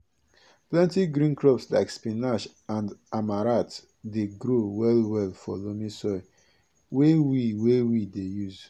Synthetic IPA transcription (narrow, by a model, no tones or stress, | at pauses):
plɛ̃ntiɡɾĩnkɹɔpsla̰ɪkspinaʃ | ãndamaɾat | deɡɾowɛlwɛlfɔlomĩsɔ | wewiwewidejuz